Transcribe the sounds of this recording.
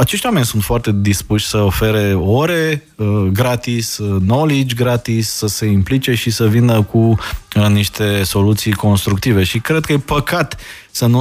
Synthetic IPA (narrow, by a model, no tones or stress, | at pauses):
at͡ʃe̞ʃt̪ʲwame̞nʲsunt̪foart̪e̞d̪ispuʃʲsəo̞fe̞ɾeoɾe̞ | ɡɾat̪isno̞lid͡ʒʲɡɾat̪isːəse̞implit͡ʃe̞ʃisəvinəkuəniʃt̪e̞so̞lut̪sijko̞nst̪ɾuk̚t̪ive̞ʃikɾed̪̚kəjepəkat̪ | sənu